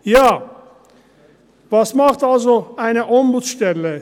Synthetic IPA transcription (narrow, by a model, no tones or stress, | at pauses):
jaː | vɑsmɑχt̪ɑlzoæjneʔombut͡sʃt̪ɛlːɛ